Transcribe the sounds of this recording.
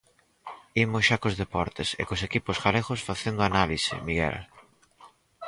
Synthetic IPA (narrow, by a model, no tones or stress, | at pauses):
imʊsʃakozðepɔɾt̪esḛkosekiposɣaleɣosfaθend̪oanalisɪ̰miɣɛ̰l